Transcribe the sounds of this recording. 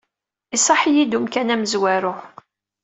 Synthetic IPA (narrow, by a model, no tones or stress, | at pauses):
isˤɑħijid̪umkænæməzwæɾʊ